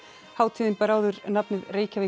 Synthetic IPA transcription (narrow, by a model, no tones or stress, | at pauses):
haːwt̪ʰɪːðɪnpɛɾaːwðʏɾnapnɪðreːjcavɪ